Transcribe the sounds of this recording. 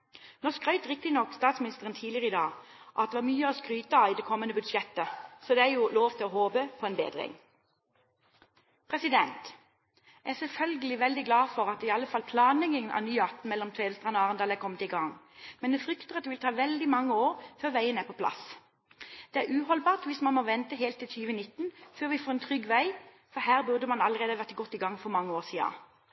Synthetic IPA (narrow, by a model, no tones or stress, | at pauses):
nɔʁskʁœʏt̪ʁɪk̚t̪ɪnɔkːst̪ɑːt̪smɪnɪst̪əʁənt̪ʰiːlɪəʁəid̪ɑ̰ːʔɑ̰t̪̚d̪ɛʋɑːmyːəɔskʁyːt̪əɑid̪ɛkʰɔmːənəbʉd̪ʃjɛt̪əsɔd̪ɛæjʊloːʋt̪ʰɪlɔɦoːbəpʰɔɛnbḛːd̪ʁɪ̰ŋ | pʰʁɛsɪd̪ɛnt̪ | ʔæsɛlfœlɡəlɪʋɛld̪ɪɡlɑːfɔʁɑt̪̚ɪɑlːəfɑlpʰlɑːnlɛɡɪŋənʔɑ̰nyːɑt̪n̩mɛlːɔmt̪ʰʋeːləst̪ʁɑːnɔɑːʁənd̪ɑːlækʰɔmːət̪ɪɡɑŋmɛnd̪ɛfʁʏkt̪əʁɑt̪̚d̪ɛʋɪlt̪ʰɑːʋɛld̪ɪmɑŋːəoːʁføːʁʋæɪənəæpʰɔpʰlɑ̰s | d̪̥ɛæʁʉːhɔlbɑːʁt̪ʋɪsmɑnmoːʋɛnt̪əɦeːlt̪ʰːɪlsyːʋənɪt̪ːnføːʁʋɪfoːɛnt̪ʰʁʏɡʋæɪ | fɔhæːʁbʉʁd̪əmɑnɑləʁeːd̪əʋæʁt̪ɪɡɔt̪ːɪɡɑŋfɔʁmɑŋːəoːʁsiːɑ̰